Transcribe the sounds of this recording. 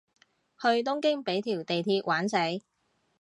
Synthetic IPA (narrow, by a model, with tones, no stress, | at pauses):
hɵ˧ɥt̪̬ʊ˥ŋkɪ˥ŋpe˨˥jt̪ʰiː˨˩wt̪e˨jt̪ʰiː˧t̚wʔaː˨˥nse˨˥j